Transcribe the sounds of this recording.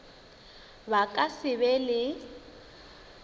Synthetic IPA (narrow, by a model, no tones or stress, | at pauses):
bakʼasɪβɛlɪ